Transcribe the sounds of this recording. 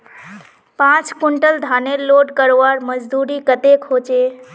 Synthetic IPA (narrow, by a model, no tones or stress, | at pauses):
pãt͡ʃkuɳʈəld̪ʱaneɾloɖkəɾʋaɾməd͡ʒd̪uɾikət̪ekɦot͡ʃe